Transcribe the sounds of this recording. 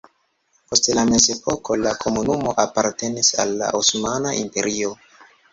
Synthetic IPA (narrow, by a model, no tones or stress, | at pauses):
po̞stlame̞ze̞pʰo̞ko̞lakʰo̞munumo̞ʔapaɾte̞nisa̰lːa̰ʔusmanaʔimpe̞ɾʔio